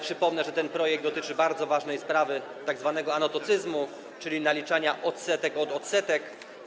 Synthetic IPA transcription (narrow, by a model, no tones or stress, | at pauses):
pʂɘpɔmnɛʐɛt̪ɛnpɾɔjɛɡ̚d̪ɔt̪ɘt͡ʂɘbaɾd̪zɔvaʐnɛjspɾavɘ | t̪aɡzvanɛɡɔanɔt̪ɔt̪sɘzmu | t͡ʂɘlʲinalʲit͡ʂaɲaʔɔt̪sɛt̪ɛkɔd̪ɔt̪sɛt̪ɛk